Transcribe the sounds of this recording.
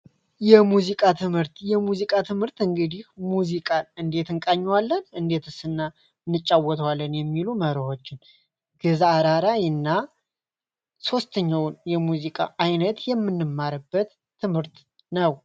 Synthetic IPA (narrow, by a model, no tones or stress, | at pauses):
jɛmuzikʼat̪ʰɨmhɨɾt̪jɛmuzikʼat̪ʰɨmhɨɾt̪ɨŋɡɨd̪ihmuzikʼanɨnd̪e̞t̪ɨŋkʼaɲːwalːənɨnd̪e̞t̪ʰɨsɨnːa | nːɨt͡ʃʼːawɔt̪ʰəwalːənjɛmːiluməɾəho̞t͡ʃːɪn | ɡ̥ɨzaɾaɾajɨnːa | so̞st̪ʰəɲːawnjɛmuzikʼa̰ʔajnət̪jɛmːɨnːɨmːaɾɨbːət̪ʰː | ɨmhɨɾt̪ | nəw